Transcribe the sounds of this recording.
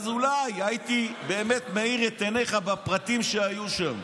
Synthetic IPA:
zulajait̪ibe̞ːme̞t̪meiʁet̪eneχabapʁat̪imʃeajuʃam

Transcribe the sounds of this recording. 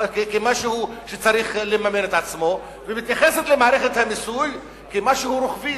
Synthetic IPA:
kkemaʃehuʃet͡saɾiχlemamenet̪at͡smo̞ | vemit̪jaχeset̪lemaːɾeχet̪hamisul | kemaʃehuɾoχvi

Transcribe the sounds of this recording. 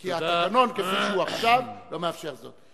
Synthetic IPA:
kiaatano̞nkefiʃuaχʃavlo̞meafʃe̞ʁzo̰t̪

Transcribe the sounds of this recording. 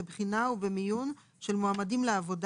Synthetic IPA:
ebχinauvbemijun | ʃe̞lmoamadimleavo̞d

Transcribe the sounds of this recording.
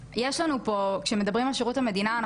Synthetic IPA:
jeʃlanupo̞kʃeme̞d̪ɐbʁimalʃeʁuthame̞d̪inaːn

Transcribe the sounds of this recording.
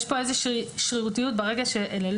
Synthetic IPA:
ʃpo̞e̞zeʃʃʁiʁutijut̚beʁe̞ɡaʃeʔelel

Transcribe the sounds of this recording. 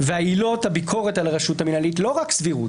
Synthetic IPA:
veailo̞thabikʰo̞ʁe̞talaʁeʃuthaminalitlo̞ʁaksviʁṵt

